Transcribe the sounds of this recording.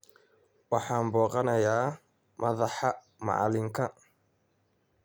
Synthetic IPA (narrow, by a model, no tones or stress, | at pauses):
wɑħaːmbɔːqɐnɐjaː | mʔɐðaħa | ma̰ʕa̰lɪŋkɐ